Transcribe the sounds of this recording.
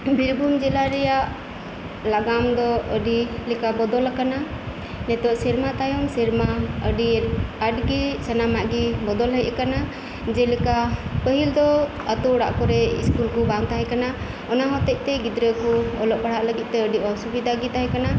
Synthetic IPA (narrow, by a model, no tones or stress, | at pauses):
biɾbʱumd͡ʒɛlaɾɛjaʔ | laɡamd̪ɔəɖilɛkabɔd̪ɔlakana | nɛt̪ɔʔsiɾmat̪ajɔmsiɾmaə̰ɖiaɖɡisanamaʔɡibɔd̪ɔlɦəjɛkana | d͡ʒɛlɛkapəɦild̪ɔ | at̪ɔuɽa̰ʔkɔɾɛḭskulkubaŋt̪aɦɛkana | ɔnaɦɔt̪ɛʔ̚t̪ɛɡid̪ɾəkuɔlɔʔpaɽ̤aʔləɡit̪̚ˀt̪ɛəɖiɔsubid̪ʱaɡit̪aɦɛkana